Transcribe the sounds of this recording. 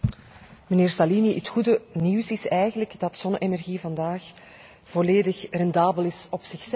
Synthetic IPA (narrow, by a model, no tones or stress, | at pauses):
məneːrsaliniʔətxudəniwsɪsɛjɣənləɡdɑtsɔnʔenɛrɣivɑndaːx | v̥ɔleːdəxrɛndaːbəlɪsɔpsɪxsɛ